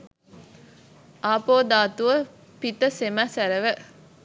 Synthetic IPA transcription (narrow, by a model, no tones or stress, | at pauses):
ʔaːpoːd̪aːt̪uʋə | pit̪əsemæsæɾəʋə